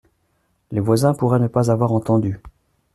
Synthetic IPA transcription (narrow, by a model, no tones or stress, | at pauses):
levwazɛ̃puʁɛnəpazavwaʁɑ̃t̪ɑ̃d̪y